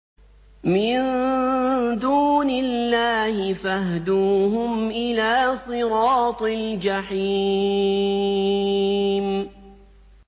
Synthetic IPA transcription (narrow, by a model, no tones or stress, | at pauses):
mɪn | d̪uːnɪlːaːhɪfahd̪uːɦʊmʔɪlaːsˤɨɾɑːt̪ˤɪld͡ʒaħi | m